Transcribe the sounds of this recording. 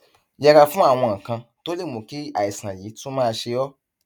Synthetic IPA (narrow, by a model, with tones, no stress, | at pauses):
jɛ˧ɾa˧fũ˦a˦˨w̃ɔ̃˧ã˨kã˧to˦le˦˨mõ˨ki˦a˨i˨sã˨jiː˨˦tũ˦mãː˦˧ʃe˧jɔ˦